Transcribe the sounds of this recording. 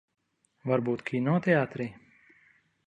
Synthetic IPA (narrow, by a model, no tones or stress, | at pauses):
vaɾbuːt̪kʰiːnɔːt̪ʲɛaːt̪ɾi